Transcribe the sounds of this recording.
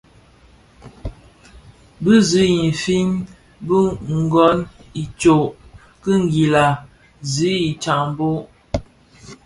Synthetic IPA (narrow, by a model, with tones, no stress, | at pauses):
bɨ˦zi˨˦ji˨fi˦m | bə˦ŋ̩˨ɡɔ˨˦ni˨t͡ʃo˨ʔ | kə˦ŋ˦ɡi˨la˨ | zi˨˦i˨t͡ʃa˨ŋm˨bo˦ʔ